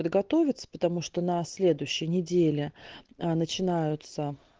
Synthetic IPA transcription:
əd̪ɡɐt̪o̞vʲɪt̪sə̥pə̥t̪ɐmuʂt̪onɐsʲlʲe̞d̪ʊjɕːɪjənʲɪdʲelʲɪnət͡ɕɪnajʊt̪sə

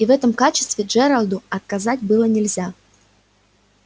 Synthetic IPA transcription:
ivɛt̪əmkat͡ɕɪ̥st̪vʲɪd͡ʒɛɾalʲˠd̪uɐt̪̚kazatʲbɨlˠənʲɪlʲzʲa

